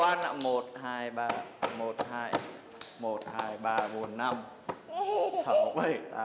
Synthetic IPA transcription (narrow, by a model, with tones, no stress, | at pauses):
aː˧na̰˧˨˩mo˨˩t̚haː˧jɓaː˧˩mo˨˩t̚haː˧j | mo˨˩t̚haː˧jɓaː˧ɓu˨˩ənːa˧m | sa˧˦wɓə˧˩jaː˧